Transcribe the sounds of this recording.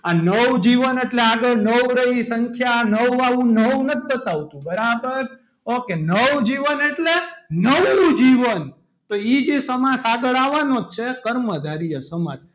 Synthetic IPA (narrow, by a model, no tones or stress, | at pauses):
anəʋd͡ʒiʋəneʈleaɡəɭnəʋɾəɦisəŋkʰjanəʋaʋũnəʋũnət̪ʰibət̪aʋt̪ũbəɾabəɾ | okenəʋud͡ʒiʋəneʈlenəʋud͡ʒiʋən | t̪oid͡ʒesəmasaɡəɭaʋanot͡ʃʰekəɾməd̪ʱaɾijəsəmas